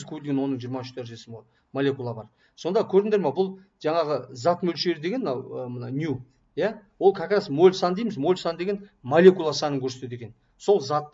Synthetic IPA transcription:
zkʲʰɵbelɡʲe̞nwo̞nːəɴʒijəɾmɑʏʃt̪ʰæɾʒesɪmo | molʲe̞kulˠɑbɑɾ | so̞nd̪ɑkʲʰɵɾd̪ɪŋd̪e̞ɾmɑbʊlˠ | ʒɑɴɑʁəzɑt̪mɵlʃe̞ɾɪd̪e̞ɡʲe̞nmənɑwəmənɑnʲju | jawo̞lˠkʰʲakʲɾɑsmo̞lʲsɑnd̪ejmɪzmo̞lʲsɑnd̪e̞ɡʲenmolʲe̞kulˠɑsɑnəŋkʲʰɵɾse̞t̪ed̪ekʲe̞n | so̞lˠzɑt̪ː

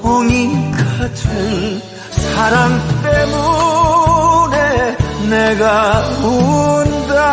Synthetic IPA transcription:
ʌŋikʰat͡ɕʰen | saɾaŋt̪emu | neneɡaunda

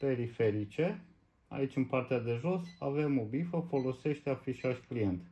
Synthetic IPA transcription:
pe̞ɾife̞ɾit͡ʃe̞ | a̰it͡ʃʲɨnpart̪ead̪e̞ʒo̞save̞mo̞bifəfo̞lo̞se̞ʃt̪eafiʃaʃklient̪ʲ

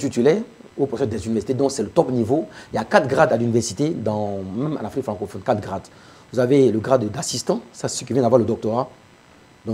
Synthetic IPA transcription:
t̪yt̪ylɛʁ | opʁɔsɛtd̪ɛzynivɛʁsi̥t̪ed̪ɔ̃ksɛlət̪ɔpnivoijakat̪ɡʁad̪alynivɛʁsit̪ed̪ɑ̃mɛ̃mɑ̰̃nafʁikfχɑ̃kofɔnkat̪ɡʁad̪ | vuzaveləɡʁad̪d̪asist̪ɑ̃sasɛsək̬ʲivjɛ̃d̪avwaʁləd̪ɔk̚t̪oʁa | d̪ɔ̃

